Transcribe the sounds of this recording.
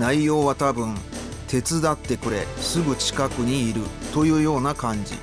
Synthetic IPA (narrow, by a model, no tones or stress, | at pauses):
naijo̞ːβat̪abɯ̟̃n | t̪ʰe̞t͡sɨd̪at̪ːe̞kɯ̟ɾe̞sɨɡɯ̟t͡ɕi̥kakɯ̟ɲ̟iːɾɯ̟t̪o̞jɯ̟ːjo̞ːnakãɲ̟d͡ʑḭ